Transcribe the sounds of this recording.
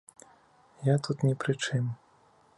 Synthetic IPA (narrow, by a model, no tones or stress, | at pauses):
jat̪ut̪nʲɛpɾɨt͡ʂɨm